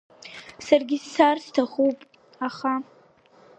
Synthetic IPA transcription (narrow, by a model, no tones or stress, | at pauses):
sarɡʲɪsːarstʰaχupʼ | aχa